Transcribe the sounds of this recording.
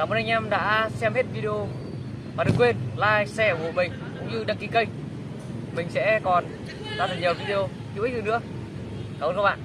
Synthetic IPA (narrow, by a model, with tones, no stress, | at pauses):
aː˨˩mo˧nha˧ŋ̟ʔɛ˧mɗa̰ː˧˥sɛ˧mhe˦˥t̚vi˧ɗi˧o˧ | maː˨˩ɗɨ˨˩kwe˧nlaː˧jsɛ˧˩vo̰˧˨mï˨˩ŋ̟kʊ̰˧˥ŋ͡mɲɨ˧ɗa˧˩ŋki˧˩kə˧j | mï˨˩ŋ̟sɛ̰˧˥kɔ˨˩n | ɗa̰˧˥t̪ʰəː˨˧˩ɲəː˨˩vi˧ɗi˧o˧ | t̪i˧˨ʔ̪̚ɨː˨˩nɨ˧˥ə | ka˨˩wɓa̰ː˧˨ʔ